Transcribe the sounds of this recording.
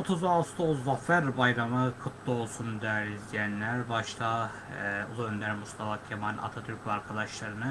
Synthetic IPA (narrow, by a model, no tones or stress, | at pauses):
ot̪ʰuzast̪ʰozːafæɾbajɾamɯkʰɯt̪ʰlˠɯo̞lˠsund̪æɾizd̪ijænlʲæɾbaʃt̪ʰa | ṵlˠuønd̪æɾmust̪ʰafacʰemana̰t̪ʰat̪ʰyɾcʲlʲaɾkʰad̪aʃlˠaɾɯnɯ